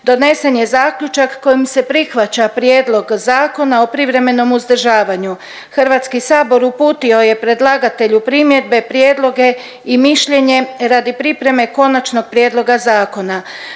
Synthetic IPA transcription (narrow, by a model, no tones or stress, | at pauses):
d̪o̞ne̞se̞nje̞zaːkʎut͡ʃakːo̞jimse̞pɾixʋat͡ɕapɾjeːd̪lˠo̞ɡzaːko̞nao̞pɾiʋɾe̞me̞no̞muzd̪r̩ʒaːʋaɲu | xr̩ʋat̪skisaːbo̞ɾupuːt̪io̞je̞pɾe̞d̪lˠaɡat̪e̞ʎupɾimje̞d̪̚be̞pɾje̞ːd̪lˠo̞ɡe̞ | imiʃʎe̞ɲe̞ɾad̪ipɾipɾe̞me̞ko̞nat͡ʃno̞ɡ̚pɾjeːd̪lo̞ɡazaːko̞na